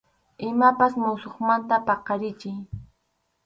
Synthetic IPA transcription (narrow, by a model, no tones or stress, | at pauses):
ɪmapasmʊsoχmant̪apɑqɑɾɪt͡ʃɪj